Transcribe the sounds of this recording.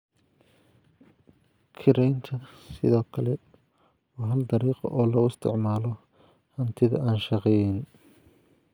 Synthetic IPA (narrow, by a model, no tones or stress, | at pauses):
kʰɪɾɛjnt̪ʰɐsɪ̰ðɔːkʰɐlɛ | wɑːɦɐld̪ɐɾiːqɔ̰ʔɔːlɐʊɪst̪ʰɪ̰ʕmaːlɔ | hɐnt̪ʰɪðɐ̰ʔaːnʃɑqɛːjɪn